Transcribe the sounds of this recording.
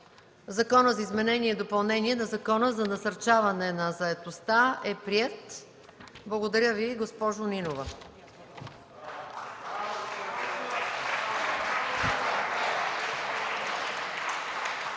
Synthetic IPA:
zɐkɔnəzɐizmɛnɛniɛd̪opɐlˠnɛniɛnɐzɐkɔnəzɐnɐsɐɾt͡ʃavɐnɛnɐzɐɛt̪ost̪aɛpɾiɛt̪ | blˠɐɡod̪ɐɾʲəviɡospɔʒoninovə

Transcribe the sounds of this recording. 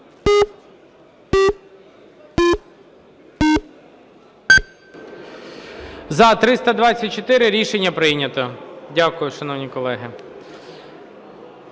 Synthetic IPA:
zɐt̪ɾɪst̪ɐd̪ʋɑt͡sʲːɐt̚ʲt͡ʃɔt̪ɪɾɪɾʲiʃenʲːɐpɾɪjnʲɐt̪ɔdʲakʊjʊʃɐnɔwnʲikɔlˠɛɦɪ

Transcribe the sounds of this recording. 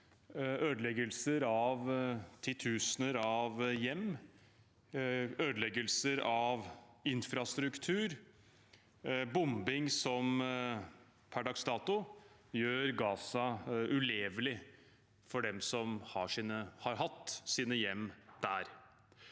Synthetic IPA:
øːd̪lɛɡəlsəɾɑʋt̪ʰɪt̪ʰʉːsnəɾɑʋjɛmː | øːd̪əlɛɡəlsəɾɑʋɪnfɾɑst̪ɾʉkt̪ʰʉːɾ | bʊmbɪŋsɔm | pʰæɖɑːɡst̪ɑːt̪ʊ | jøːɾɡɑːsɑʉleːʋlɪ | fɔɖɛmsɔmhɑʂiːnəhɑɾɦɑt̪ːsiːnəjɛmːd̪̥æ̰ːɾ

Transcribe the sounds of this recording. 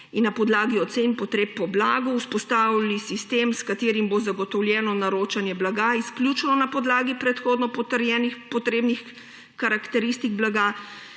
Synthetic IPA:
inːapɔd̪laːɡiɔt̪senpɔt̪ɾeːpːɔblaːɡɔuspɔst̪aːwilisist̪emskat̪eːɾimbozaɡɔt̪ɔwljɛːnɔnaɾoːt͡ʃanjɛblaɡaisklʲjut͡ʃnɔnapɔd̪laːɡipɾɛt̪xoːd̪nɔpɔt̪əɾjɛːnixpɔt̪ɾeːbnix | kaɾakt̪ɛɾist̪iɡblaɡa

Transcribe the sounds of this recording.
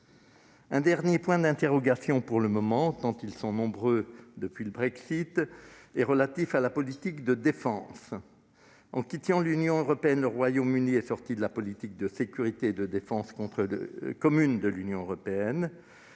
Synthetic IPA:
ɛ̃d̪ɛʁnjepwɛ̃d̪ɛ̃t̪eʁɔɡasjɔ̃puʁləmɔmɑ̃t̪ɑ̃t̪ilsɔ̃nɔ̃bʁød̪əpɥiləbʁɛksit̪ɛʁəlat̪ifalapɔlit̪ikd̪əd̪efɑ̃s | ɑ̃kʲit̪ɑ̃lynjɔ̃øʁɔpeɛnləʁwajomyniɛsɔʁt̪id̪əlapɔlit̪ik̚d̪əsekʲyʁit̪eːd̪əd̪efɑ̃skɔ̃t̪χə̰kɔmynd̪əlynjɔ̃øʁɔpeɛn

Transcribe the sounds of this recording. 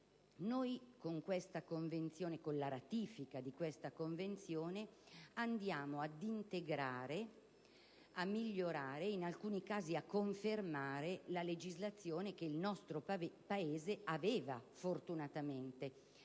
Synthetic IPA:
nojkoŋkwest̪akoɱvent̪sjoːnekonlaɾat̪iːfikad̪ikwest̪akoɱvent̪sjoːneand̪jaːmoad̪int̪eɡɾaːɾe | amːiʎːoɾaːɾeinalkuːnikaːziakːoɱfermaːɾelaled͡ʒizlat̪sːjoːnek̟eilnɔst̪ɾopaeːzeaveːvafort̪unat̪ament̪e

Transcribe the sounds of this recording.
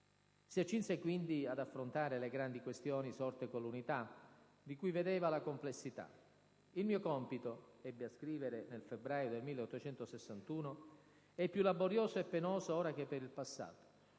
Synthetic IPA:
siat͡ʃːinsekwind̪iad̪afːɾont̪aːɾeleɡɾand̪ikwest̪jɔːnisɔrt̪ekolunit̪a | d̪ikujved̪eːvalakomplesːit̪a̰ | ilmiːokɔmpit̪oɛbːeaskɾiːveɾenelfebɾaːjod̪elmiːlːeɔt̪ːot͡ʃɛnt̪osesːant̪uːno | ɛpːjulːaboɾjoːzoepːenoːzooːɾak̟epːeɾilpasːa̰ːt̪o̥

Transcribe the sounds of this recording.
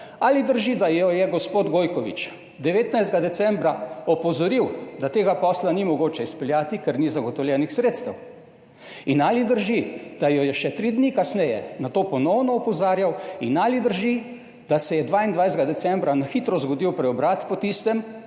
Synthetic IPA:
alid̪əɾʒid̪ajɔjɛɡɔspoːd̪ɡoːjkɔʋḭt͡ʃ | d̪ɛʋeːt̪najzd̪ɡad̪ɛt̪sɛmbɾaɔpɔzɔɾiwd̪at̪eːɡapɔslanimɔɡoːt͡ʃɛispɛljaːt̪ikɛɾnizaɡɔt̪ɔwljɛːnixsɾeːt̪st̪ɛw | inalid̪əɾʒid̪̥ajɔjɛʃɛt̪ɾid̪nikasnɛjɛnat̪oːpɔnɔwnɔɔpɔzaːɾjawinalid̪əɾʒi | d̪̥asɛjɛd̪ʋaːind̪ʋajzd̪ɡad̪ɛsɛmbɾanaxit̪ɾɔzɡɔd̪iwpɾɛɔbɾat̪pɔt̪ist̪ɛm

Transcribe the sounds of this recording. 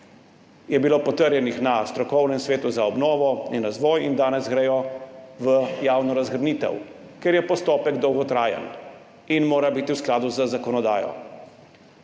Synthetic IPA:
jɛbiloːpɔt̪əɾjɛnixnast̪ɾɔkɔwnɛmsʋeːt̪uzaɔbnɔːʋɔinɾazʋɔːjind̪aːnɛzɡɾɛjɔʋəjaːwnɔɾazɡɾniːt̪ɛ̰w | kɛɾjɛpɔst̪ɔːpɛɡd̪ɔwɡɔt̪ɾaːjə̰n | inmoːɾabiːt̪iwsklaːd̪uzəzakɔnɔd̪aːjɔ̰

